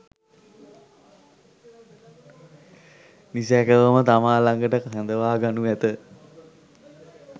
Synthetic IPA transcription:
nisɛkəʋəmət̪amaːlaŋɡəʈəkaɦand̪əʋaːɡanuɛt̪ə

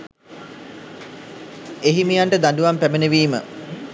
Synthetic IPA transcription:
eɦimijaɳʈəd̪aɳɖuʋampæmeneʋiːmə̰

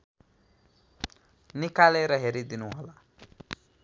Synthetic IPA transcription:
nikaleɾʌɦeɾid̪inuɦola

